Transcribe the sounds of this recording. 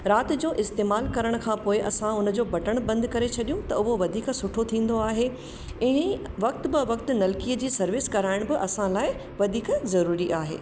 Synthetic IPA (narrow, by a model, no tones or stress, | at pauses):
ɾaːt̪ɪ̆d͡ʑoːʔɪst̪eːmaːlkɐɾəɽ̃kʰãːpoːɪʔɐsãʊnə̆d͡ʑoːbɐʈəɽ̃bɐ̃nd̪kɐɾet͡ɕʰɐɗijũt̪ɐʊɦoʋɐd̪ʱiːksʊʈʰot̪ʰĩːn̆d̪oaːɦe | ɛ̃ɦʋɐk̚t̪bɪʋɐkt̪ʊ̆nɐlkiːəd͡ʑiːsɐɾʋɪskɐɾaːɪɽ̃bɪʔɐsãlaːɪ | ʋɐd̪ʱiːkzɐɾuːɾiʔaːɦḛː